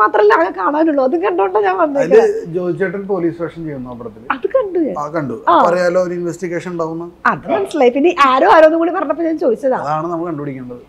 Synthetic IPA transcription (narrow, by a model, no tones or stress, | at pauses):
maːt̪rɐmilːaːɣɐkaːɳaːnuɭːoːɐðukɐɳɖuɳɖɐɲaːnʋɐnːɐelːkːet͡ɕo̞ːd̪it͡ɕːaʈ̬ːɨlpo̞ːliːsʋɐkʂɐmt͡ɕe̞jːunːuɐpiɾɐt̪ːilɐðɨkɐɳɖuɲa̰ːnkɐɳɖuaːpɐrɐjaːloːoɾuinʋestiɣeːʂɐnuɳɖaːɣunːɐðɐðɨmɐnɐsːilɐjipinːeʔaːɾoːaːɾoːnːumkoːɽipɐrɐnɐpːoɲaːnt͡ɕo̞ːd̪it͡ɕːɐðaːɐðaːɳɨnɐmːɐkɨkɐɳɖubɐɽikʲːuuɳɖɐðɨ